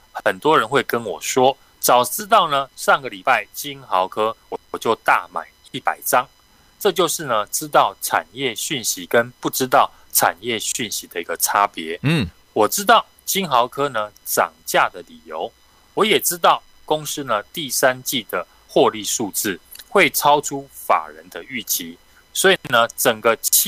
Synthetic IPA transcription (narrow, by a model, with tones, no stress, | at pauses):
xə˨˩nt̪wɔ˥ɻə˧˦nxwe˥˩ɪkə˦nwɔ˨˩ʂwɔ˦˥ | t͡sɑ˨˩ʊt͡sɻ̩˥t̪̬ɑ˥˩ʊnə˩ʂɑ˥˩ŋɡə˨li˨˩pa˥˩ɪt͡ɕi˦˥nxɑ˧˦ʊkʰɤ˥wɔ˨˩t͡ɕjo˥˧ʊt̪a̰˥˨ma̰˨˩ɪi˥˩pa˨˩ɪʈ͡ʂɑ˦ŋ | ʈ͡ʂɤ˥˧t͡ɕjo˥˧ʊʂɻ̩˥˩nə˩ʈ͡ʂɻ̩˦t̪̬ɑ˥˩ʊʈ͡ʂʰa̰˨˩njɛ˥˨ɕy˥˩nɕi˨˦kə˦˥npu˥˩ʈ͡ʂɻ̩˥˦t̪ɑ˥˩ʊ | ʈ͡ʂʰa̰˨˩njɛ˥˨ɕy˥˨˩nɕi˨˦d̪ə˨i˧˥ɡə˨ʈ͡ʂʰa˦pjɛ˧˦ | wɔ˨˩ʈ͡ʂɻ̩˦˥t̪ɑ˥˨ʊ | t͡ɕʰi˥ŋxɑ˧˥ʊkʰɤ˥nə˨ʈ͡ʂɑ̰˨˩ŋt͡ɕja˥˨d̪ə˨˩li˨˩jo˧˦ʊ | wɔ˨˦jɛ˨˩ʈ͡ʂɻ̩˥t̪ɑ˥˨ʊ | ko˦˥ŋs̩˥nə˨t̪i˥˨sa˦˥nt͡ɕi˥˩d̪ə˩ | xwɔ˥˧li˥˧ʂu˥˧t͡sɹ̩˥˩xwe˥˨˩ɪʈ͡ʂʰɑ˥ʊʈ͡ʂʰu˦fa̰˨˩ɻə˨˦nd̪ə˧y˥˩t͡ɕʰi˧˦ | swɔ˧˥i˨˩nə˧ʈ͡ʂə˨˩ŋɡə˩